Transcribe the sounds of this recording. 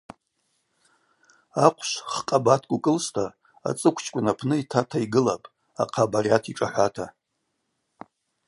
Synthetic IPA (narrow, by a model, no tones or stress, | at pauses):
aqʷʰʃʷχqʼabatʰkʷʼʊkʼɨlstʰa | a̰t͡sʼɨkʷʰt͡ʃʰkʷʼʊnapʰnɨitʰatʰaiɡɨlapʼ | a̰qʰabarjatʰiʈ͡ʂʼaħʷatʰa